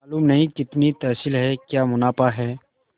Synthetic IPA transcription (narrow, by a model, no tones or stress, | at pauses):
aːluːmnɐɦĩkɪt̪nit̪ɐːsilɦɛkjaːmʊnaːpaɦɛː